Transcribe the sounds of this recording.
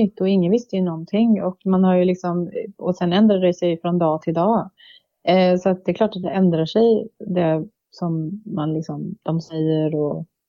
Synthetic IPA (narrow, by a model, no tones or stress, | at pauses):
ʏt̪ːɔɪŋːənvɪst̪əjɵnɔnt̪ʰɪŋːɔkmanhaɾjɵlɪksɔmɔsɛnɛnd̪ɾaɖɛsɛjfɾɔnd̪ɑːt̪ʰɪld̪ɑː | sɔat̪̚d̪ɛklɑːʈat̪̚d̪ɛɛnd̪ɾaʂɛjd̪ɛ | sɔmːanlɪksɔmd̪̥ɔmsɛjːəɾɔ